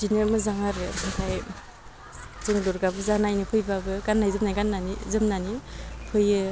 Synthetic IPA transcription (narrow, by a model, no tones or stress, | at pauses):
dinɯɾmɯzaŋaɾɯɯtʰaj | zɯŋluɾɡabɯzanajnɯpʰɯjbabɯɡanːajzɯmnajɡanːanḭzɯmnanipʰɯjɯ